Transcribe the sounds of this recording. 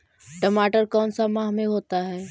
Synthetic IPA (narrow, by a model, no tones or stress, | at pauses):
ʈəmaːʈəɾkɔːnsamaːɦmẽɦoːt̪aɦɛː